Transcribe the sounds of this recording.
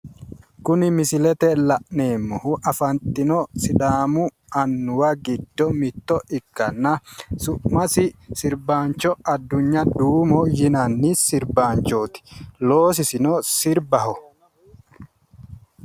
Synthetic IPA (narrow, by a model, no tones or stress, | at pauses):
kʊnɪmɪsɪlɛt̪ɛlɐʔneːmːɔhʊʔɐfɐnt̪ɪnɔsɪᶑ̪aːmʊ | ɐnːʊwɐɡɪd̪ːɔmɪt̪ːɔʔɪkːɐnːɐsʊʔmɐsɪsɪɾbaːnt͡ʃːɔɐd̪ːʊɲːɐd̪uːmɔjɪnɐnːisɪɾbaːnt͡ʃoːt̪ɪ̥loːs̬ɪsɪnɔsɪɾbɐɦɔ